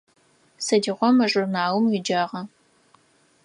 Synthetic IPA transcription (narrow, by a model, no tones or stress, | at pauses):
sɐdiːʁʷɔmɐʒʼʊrnaːwmjɪd͡ʒaːʁɐ